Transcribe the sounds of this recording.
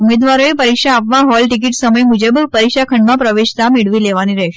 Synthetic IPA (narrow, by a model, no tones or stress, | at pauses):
umed̪ʋaɾoepəɾikʃaːpʋãɦɔlʈik̬iʈsəməjmud͡ʒəbpəɾikʃakʰəɳɖmãpɾəʋeʃt̪ameɭʋileʋaniɾɛʃ